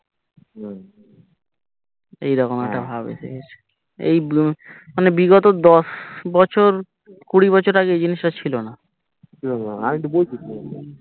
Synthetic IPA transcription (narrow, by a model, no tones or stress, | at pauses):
na | ejɾɔkonɛkʈabʱabḛsḛket͡ɕʰ | ḛjmanebiɡot̪od̪ɔsbɔt͡ɕʰoɾ | kuɽibɔt͡ɕʰoɾaɡejd͡ʑiniʃʈat͡ɕʰilona | t͡ɕʰilonaaiʈubojd̪it̪e